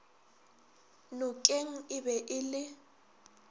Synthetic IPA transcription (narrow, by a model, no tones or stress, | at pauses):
nʊkʼeŋ̩ɪbɛʔɪlɪ